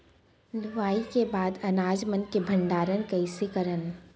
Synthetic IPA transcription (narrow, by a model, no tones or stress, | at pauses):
lʊʋaːikebaːd̪ɐnaːd͡ʒmənkebʱə̃ɳɖaːɾənkɐisekəɾən